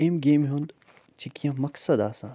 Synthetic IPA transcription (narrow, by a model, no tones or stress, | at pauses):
emɡeːmɦũnd̪ | t͡ʃikjɐ̃mɐksɐd̪aːsã